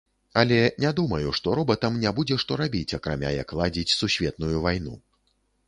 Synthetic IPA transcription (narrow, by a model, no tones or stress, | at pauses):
ɐlʲɛnʲad̪umɐjuʂt̪ɔɾɔbɐt̪ɐmnʲabud͡zʲɛʂt̪ɔɾabʲit͡sʲɐkɾamʲa̰jɐ̰klˠad͡zʲit͡sʲsusʲvʲɛt̪nujuvajnṵ